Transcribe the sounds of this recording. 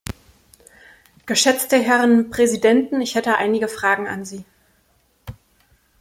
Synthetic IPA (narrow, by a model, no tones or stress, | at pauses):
ɡ̥əʃɛt͡stəɦɛʁənpʁ̥ɛzidɛntn̩ɪçhɛtəʔa̰ɪnɪɡəfʁ̥aːɡŋ̩a̰nziː